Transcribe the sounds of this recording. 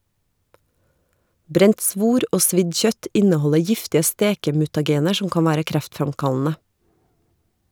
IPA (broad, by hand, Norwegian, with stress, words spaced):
ˈbɾɛnt ˈsʋuːɾ ˈoː ˈsʋɪd ˈçœt ˈɪnəˌhɔlə ˈjɪftɪə ˈsteːkəmʉtɑˌɡeːnəɾ ˈʃʊm ˈkɑːn ˈʋæːɾə ˈkɾæftfɾɑmˌkɑlnə